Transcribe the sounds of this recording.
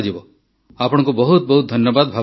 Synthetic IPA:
d͡ʒibɔ | apɔɽɔ̃ŋkubɔɦut̪̚bɔɦut̪̚d̪ʱʌnjɔbad̪bʱa

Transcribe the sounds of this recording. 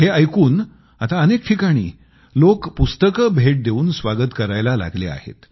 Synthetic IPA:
heəjkuːn | at̪aənek̚ʈʰikaɽ̃ḭː | lokpust̪əkəbʱeʈ̚d̪euːnsʋaɡət̪kəɾajlala̰ɡlḛa̰ɦḛt̪

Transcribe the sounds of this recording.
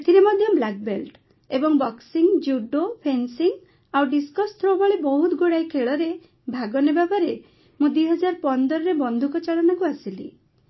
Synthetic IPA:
t̪ʰiɾemɔd̪ʱjɔblak̚belʈ | ebɔŋbɔksiŋd͡ʒuɖopʰensiŋ | awɖiskɔst̪ʰɾobaɭebɔɦut̪ɡoɽajkʰeɭɔɾe | bʱaɡɔnebapaɾe | mũd̪wiɦɔd͡ʒaɾpɔnd̪ɔɾɔɾebɔnd̪ʱukɔt͡ʃaɭɔnakuasilḭ

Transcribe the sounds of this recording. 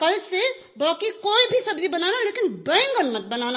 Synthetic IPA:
kəlse | bakikoibʱisəbd͡ʒibənanalekinbə̃ɪ̃ŋɡənmət̪̚bənana

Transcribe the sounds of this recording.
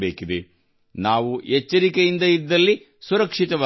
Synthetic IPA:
beːkid̪e | naːʋuet͡ʃːɐɾikejind̪ɐid̪ːɐlːi | suɾɐkʂit̪ɐʋa

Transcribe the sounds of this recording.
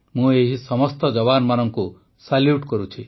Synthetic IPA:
mũeɦisɔmɔst̪ɔd͡ʒɔβanmanɔŋku | saljuʈkɔɾut͡ʃʰi

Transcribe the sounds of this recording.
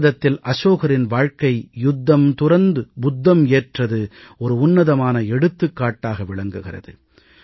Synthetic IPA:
ðɐt̪ːɪlʔɐsoːɣɐɾɪnʋaːɻkɐɪjʊd̪ːɐmt̪ʊɾɐnd̪ɯbʊd̪ːɐmeːʈrɐðɯɔɾɯʊnːɐðɐmaːnɐɛɽɯt̪ːɯkːaːʈːaːɣɐʋɪɭɐŋɡɯɣɪrɐ̰ðɯ

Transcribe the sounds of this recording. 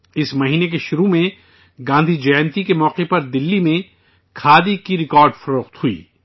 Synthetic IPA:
ɪsmɐɦiːnek̬eʃʊɾumẽ | ɡãːnd̪ʱid͡ʒɐnt̪ikemɔːqepɐɾd̪ɪlːimẽ | kʰaːd̪ikiɾɪkɔːɾɖfɐɾoːqt̪huḭː

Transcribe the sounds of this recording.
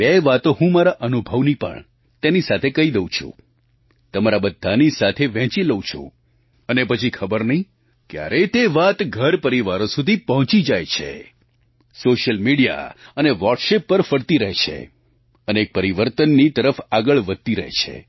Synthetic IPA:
beʋat̪oɦũmaɾaʔənubʱəʋnipə̰ɳ | t̪enisat̪ʰekəid̪eũt͡ʃʰṵ̃ | t̪əmaɾabəd̪ʱːanisat̪ʰeʋɛ̃t͡ʃiləũt͡ʃʰṵ̃ | ənepət͡ʃʰikʰəbəɾnəɦĩ | kja̰ɾʔet̪eʋat̪ɡʱəɾpəɾiʋaɾosud̪ʱipəɦɔ̃t͡ʃid͡ʒajt͡ʃʰḛ | soʃəlmiɽija̰əneʋɔɾʈʃepːəɾfəɽt̪iɾəɦet͡ʃʰḛ | əneːk̚pəɾiʋəɾt̪ənːit̪əɾəfaɡəɭʋəd̪̚t̪iɾəɦḛt͡ʃʰḛ

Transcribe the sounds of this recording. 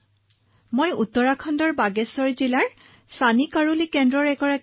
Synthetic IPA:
mojutːɔɹakʰɔndɔɹbaɡɛsɔɹzilaɹ | sanikaɹulikɛndɹɔɹɛkɔɹa

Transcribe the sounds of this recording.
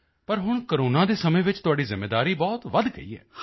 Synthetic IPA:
pəɾɦʊɳ̃kəɾoːnãːd̪eːsəmẽːʋɪt͡ʃt̪ʊaːɖiːzɪmːeːd̪aːɾiːbɔːt̪ʋəd̪ɡə̰ḭːɛ̰ː

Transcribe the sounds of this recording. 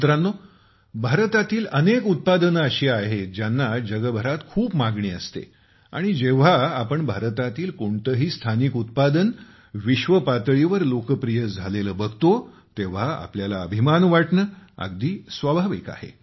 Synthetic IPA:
t̪ɾanːo | bʱaɾt̪at̪iːlənekut̪̚pad̪ənəɕiːaɦed͡ʑjanːad͡ʑəɡəbʱəɾat̪kʰuːpmaɡɳiːəst̪ḛ | a̰ɽ̃id͡ʑeʋ̤aːpəɳbʱaɾt̪at̪iːlkoɳt̪əɦiːst̪ʰanikut̪̚pad̪ən | ʋiɕʋəpat̪ɭiʋəɾlokəpɾijəd͡zʱaleləːbəɡʱt̪o | t̪eʋ̤aa̰pljalaəbʱimanʋaʈɳəːə̰ɡd̪iːsʋəbʱaʋḭka̰ɦḛ

